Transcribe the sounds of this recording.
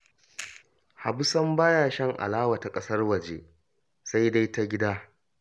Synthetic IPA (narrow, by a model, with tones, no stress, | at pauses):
ha˨bʊ˦sɐ˦mbaː˦jaː˦˨ʃɐ˦ŋʔa̰˨laː˦wa˨ta˨kʼɐ˦sɐ˦rwɐ˨d͡ʒḛ˦ | sa˦jda˦jta˦ɡʲɪ˦daː˦